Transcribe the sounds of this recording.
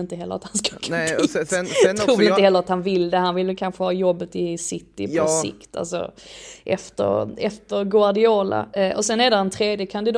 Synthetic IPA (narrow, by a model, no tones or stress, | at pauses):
ɪnt̪əɦɛlːə̰at̪hanska | t̪ʰɾuːvɪt̪əɦɛlːəɾat̪hanvɪlːd̪ɛhanvɪlːəkʰanɧəhɑːjɔbːət̪ɪsɪt̪ːɪpʰɔsɪ̰kt̪ʰa̰lsɔ̰ʔɛ̰ft̪ə̰ɾɛft̪əɾɡʊaɖɪoːla̰ʔɔsɛnæɖɛaɛnt̪ʰɾeːd̪jəkʰand̪ɪd̪